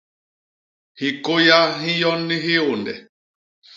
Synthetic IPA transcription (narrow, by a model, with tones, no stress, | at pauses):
hi˨ko˦ja˦ɦĩ˦jɔ˦nːi˦ɦi˦o˨ndɛ̰˨